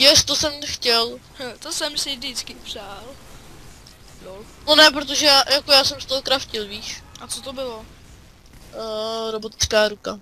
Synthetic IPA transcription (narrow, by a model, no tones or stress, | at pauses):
jɛst̪osɛmxcɛl | t̪osɛmsɪdɪt͡skɪpr̥aːl | o | nonɛpɾot̪̬o̞ʒɛjajakojaːsɛmst̪oɦokɾafcɪlviːʃʔat͡sot̪obɪlo | ɾobo̞t̪ɪ̥t͡skaːɾuka